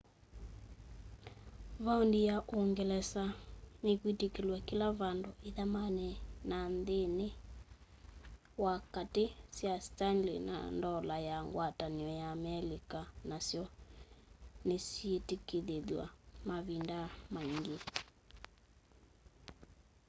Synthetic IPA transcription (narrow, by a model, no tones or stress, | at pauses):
βaondijaʔoŋɡɛlɛsanekwitekelwakilaβandoeðamanɛnanðene | wakatesjastanlḭna̰ndɔlajaŋɡwataniɔjaːmɛlikanasjɔ | nesietekeðeðwa̰maβindamaiŋɡe